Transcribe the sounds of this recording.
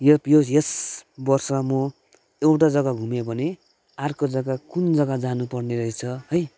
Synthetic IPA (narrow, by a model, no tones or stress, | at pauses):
jʌjojesbʌrsʌmʌ | ewʈad͡zʌɡaɡʱumebʱʌne | arkod͡zʌɡakund͡zʌɡad͡zanupʌrneɾʌɦit͡sʰʌɦʌj